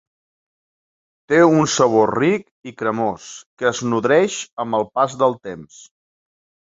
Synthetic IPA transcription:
t̪eunsəβ̞orik | ikɾəmoskəːznuðɾɛʃəmbəlˠpazðəlˠt̪ems

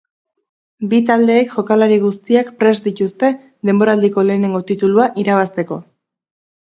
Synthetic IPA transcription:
bit̪̬ald̪e̞ːkʝo̞kalaɾiɣ̞ust̪iakpɾe̞sd̪it̪ust̪e̞ | ðe̞mbo̞ɾaːld̪iko̞le̞ːneŋɡo̞t̪it̪uluaʔiɾaβ̞ast̪e̞ko̞̰

